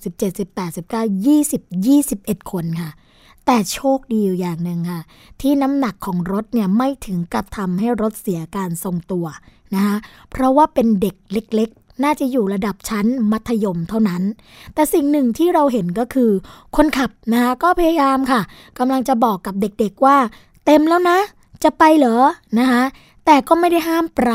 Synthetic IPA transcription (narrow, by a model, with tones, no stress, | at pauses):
si˨˩p̚t͡ɕe˨˩t̪̚si˨˩pːɛː˨˩t̪̚si˨˩p̚kaː˥˩wjiː˥˩si˨˩p̚jiː˥˩si˨˩p̚ʔe˨˩t̪̚kʰo˧nkʰa˥˩ | t̪ɛː˨˩t͡ɕʰoː˥˩k̚diː˧jaː˨˩ŋnɯ˨˩ŋkʰa˥˩ | t̪ʰiː˥˩na˦˥mna˨˩kʰːɔː˩˦ŋɾo˦˥t̪̚ni˥˩ɐma˥˩jt̪ʰɯ˩˦ŋka˧˩p̚t̪ʰa˧mɦa˥˩jɾo˦˥t̪̚si˨˩˦ɐkaː˧nso˨ŋt̪u˧ɐ | na˦˥kʰa˦˥ʔpʰɾɔ˦˥waː˥˩pe˧nde˨˩k̚le˦˥k̚le˦˥k̚ | naː˥˩t͡ɕa˨˩juː˨˩ɾa˧da˨˩p̚t͡ɕʰa˦˥nma˦˥t̪ʰːa˧jo˧mt̪ʰa˥˩wna˦˥n | t̪ɛː˨˩si˨˩ŋnɯ˨˩ŋt̪ʰiː˥˩ɾa˧wɦe˩˦nk̬ɔː˥˩kʰɯː˧kʰo˧nkʰa˨˩p̚na˦˥kʰa˦˥kɔː˥˩pʰa˧ja˧jaː˧mkʰa˥˩ | ka˧mla˧ŋt͡ɕa˨˩bɔː˨˩kːa˨˩p̚de˨˩k̚de˨˩k̚waː˥˩ | t̪e˧mlɛː˦˥wna˦˥ | t͡ɕa˨˩pa˧jlɤː˩˦na˦˥kʰa˦˥ | t̪ɛː˨˩kɔː˥˩ma˥˩jda˥˩jɦaː˥˩mpɾa˧˦